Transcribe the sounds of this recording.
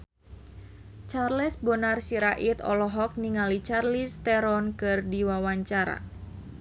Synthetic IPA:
t͡ʃarlɛsbɔnarsiɾaʔit̪ɔ̰lɔɦɔk̚niŋalit͡ʃarlist̪ɛɾɔnkɨrdiwawaɲt͡ʃaɾa̰

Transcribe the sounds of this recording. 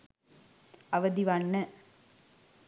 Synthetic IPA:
ɐʋəd̪iʋɐnːə

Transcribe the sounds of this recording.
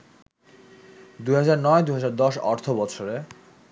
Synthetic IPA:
d̪uɦad͡ʑaɾnɔed̪uɦad͡ʑaɾd̪ɔʃɔ̰ɾt̪ʰobɔt͡ɕʰoɾe

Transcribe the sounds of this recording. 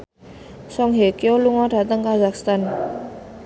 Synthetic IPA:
sɔŋɦekeoluŋɔd̥a̤t̪əŋkazakst̪an

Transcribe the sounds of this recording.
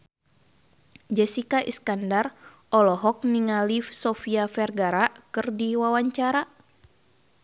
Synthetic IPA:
d͡ʒɛsikaʔḭskandar | ɔlɔɦɔk̚niŋalifsɔfiafɛrɡaɾaʔkɨrdiwawaɲt͡ʃaɾa

